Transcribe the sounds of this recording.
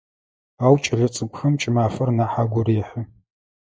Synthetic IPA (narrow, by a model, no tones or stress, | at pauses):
aːwt͡ʃʼɪɮɐt͡sʼɨɡʷʊxɐmt͡ʃʼɪmaːfɐrnaːħaːɡʷɔɾeːħə